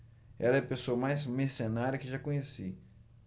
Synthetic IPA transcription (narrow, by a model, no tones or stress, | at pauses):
ɛlɐɛɐpesoɐmajzmesenaɾɐkɪʒakõɲesi